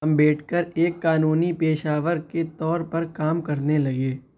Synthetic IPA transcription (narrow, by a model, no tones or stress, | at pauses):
mbeːʈʰkəɾeːkːaːnuːnipeːʃaːʋəɾket̪ɔːɾpɐɾkaːmkɐɾnelɐɡeː